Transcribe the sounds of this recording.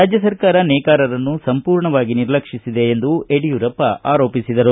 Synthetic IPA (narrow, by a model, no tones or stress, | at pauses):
aːd͡ʒjɐsɐɾkaːɾɐnɛːkaːɾɐɾɐnːusɐmpuːɾɳɐʋaːɡiniɾlɐkʂisid̪e̞ːnd̪ueɽijuɾɐpːɐʔaːɾo̞ːpisid̪ɐɾu